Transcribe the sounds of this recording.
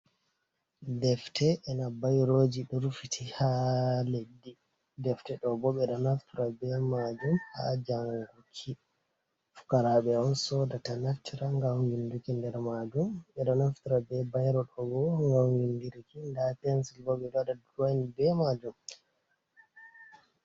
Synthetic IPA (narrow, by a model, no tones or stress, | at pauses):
dɛftʰɛʔːnabajɾod͡ʒiɗɔɾufitʰihaledːi | dɛftɛɗɔbɔɓɛɗɔnaftiɾabɛmad͡ʒumha̰d͡ʒaŋɡukʰi | fu̥kaɾaɓɛɔnsɔdatanaftːiɾaŋɡawwindukindɛɾmad͡ʒumɓɛɗɔnaftiɾabɛbajɾɔɗɔɡɔŋɡawwindiɾikindapɛnsilbɔɓɛɗadaduwanibɛmad͡ʒum